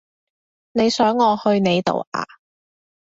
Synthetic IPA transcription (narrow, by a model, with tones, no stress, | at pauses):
ne˨˧jsœː˨˥ŋːɔː˨˧hɵ˧ɥne˨˧jt̪o̰˨˩wʔa̰ː˨